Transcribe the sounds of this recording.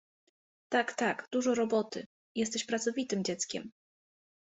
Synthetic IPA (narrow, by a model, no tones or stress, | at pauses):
t̪akt̪akd̪̥uʐɔɾɔbɔt̪ɘ̰ | jɛs̬t̪ɛɕpɾat̪sɔvʲit̪ɘmd͡ʑɛt̪skʲɛ̰m